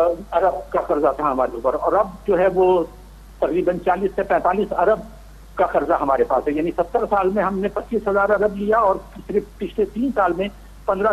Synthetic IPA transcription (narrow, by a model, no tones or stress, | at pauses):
ɐɾəbkaxɐɾzat̪ʰaɦɐmaːɾeʊpəɾɔːɾɐb̚d͡ʒoːɦɛʋo | t̪ɐqɾiːbənt͡ʃaːliːsːepɛ̃ːt̪aːliːsɐɾəb̚ | kaxɐɾzaɦɐmaːɾepa̰ːsɦɛjaːnisɐt̪ːəɾsaːlmẽɦɐmnẽpɐt͡ʃːiːsɦɐzaːɾɐɾəblijaɔːɾʃɪɾfpɪt͡ʃʰlet̪iːnsaːlmẽ | pɐ̃nd̪ɾa